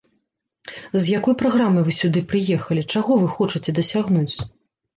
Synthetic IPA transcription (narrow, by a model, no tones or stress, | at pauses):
zjakɔjpɾaɣɾamɨjvɨsʲud̪ɨpɾɨjɛxɐlʲit͡ʂaɣɔvɨxɔt͡ʂɨt͡sʲɛd̪ɐsʲaɣnut͡sʲ